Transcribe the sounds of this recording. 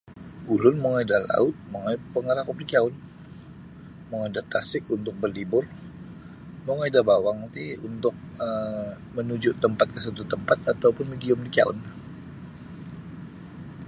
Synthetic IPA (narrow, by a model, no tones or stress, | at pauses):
ulʊnmoŋaidala̰ʊt̪̚maŋajpəŋəɾakupnikiaʊn | moŋaidat̪asɪk̚unt̪ʊk̚bərlibʊr | moŋaidabawaŋt̪iunt̪ʊk̚ | ə | mənud͡ʒʊʔt̪əmpat̪̚kəsət̪ut̪əmpat̪at̪ːaupʊnmidiɔmnikia̰ʊ̰n